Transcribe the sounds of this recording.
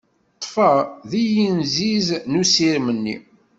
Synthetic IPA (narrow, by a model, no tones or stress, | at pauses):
t̪ˤːfəðijinziznusiɾmənːi